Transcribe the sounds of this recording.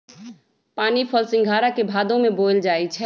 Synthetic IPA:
paːnipʰəlsɪ̃ŋɡʱaɾakebʱad̪õmebold͡ʒaːɛt͡ʃʰɛ

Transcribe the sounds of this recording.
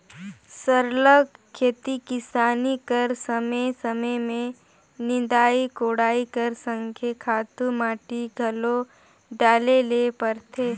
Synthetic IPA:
səɾləɡkʰːeːt̪ikɪsaːnikəɾsəməjsəməjmẽ | nɪ̃d̪aːikoːɽaːikəɾsə̃ŋkʰekʰaːt̪umaːʈiɡʱɐlo | ɖaːlelepəɾt̪ʰeː

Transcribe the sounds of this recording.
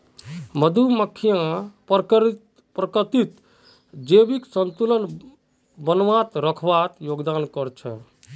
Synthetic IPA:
məd̪ʱuməkʰːijãkɾ | pɾəkət̪it̪ | d͡ʒebiksənt̪ulən | bənʋat̪ɾəkʰbat̪joɡd̪ankɔɾt͡ʃʰɛ̰

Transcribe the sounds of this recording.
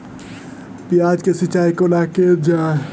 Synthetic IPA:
pijad͡ʒkesit͡ʃaikolaked͡ʒa

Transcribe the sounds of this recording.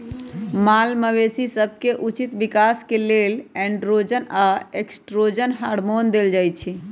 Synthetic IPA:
malməʋesisəb̚ʱkeʔut͡ʃit̪bikaskelelɛ̃ɳɖɾod͡ʒənaeksʈɾod͡ʒənɦaɾmond̪eld͡ʒajt̪̚t͡ʃʰi

